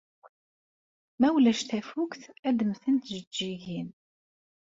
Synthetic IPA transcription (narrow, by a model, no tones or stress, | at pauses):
mæwlæʃt̪æfukθæd̪əmθənt̪ʒəd͡ʒːiʝin